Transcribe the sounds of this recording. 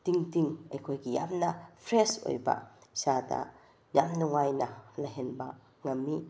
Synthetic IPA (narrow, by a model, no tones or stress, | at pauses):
tiŋtiŋejkʰojɡija̰mnɐpʰɾeso̰jbɐ̰sada̰ | ɲamnuŋajnɐlɐɦenbɐ | ŋɐmːi